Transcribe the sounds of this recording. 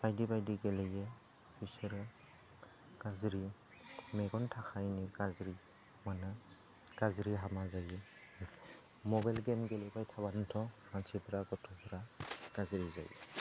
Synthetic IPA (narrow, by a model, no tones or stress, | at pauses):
b̥ajdibajdiɡɛlejɛ | b̥isɯɾɯ | ɡ̥azɾi | mɛɡɔntʰakʰajniɡazɾi | manɯ | ɡ̥azɯɾiɦamazajɛ | mɔbajlɡɛmɡɛlejbajtʰaβantʰɔhansʰipʰɯɾaɡɔtʰɔpʰɯɾaɡ̥azɾiza̰j